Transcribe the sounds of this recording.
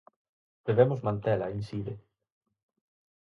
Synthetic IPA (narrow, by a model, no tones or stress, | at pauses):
d̪̥eβemʊzmãnt̪elainsiðe